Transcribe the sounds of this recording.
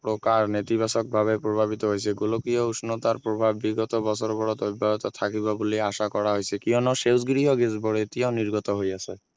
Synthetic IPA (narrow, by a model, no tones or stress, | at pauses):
pɾokaɾnet̪ibasɔk̚bʱaβepɾobʱabit̪ɔɦojsʰeɡulokijɔusnɔt̪aɾpɾobʱabːiɡɔt̪ɔbɔsʰɔɾɔbɔɾɔt̪ojbʱːaɦɔt̪ɔt̪ʰakibaboliaʃakɔɾaɦojsʰekiɔnɔʃewsɡɾiɦɔɡesboɾet̪ianiɾɡɔt̪ɔɦojasɛ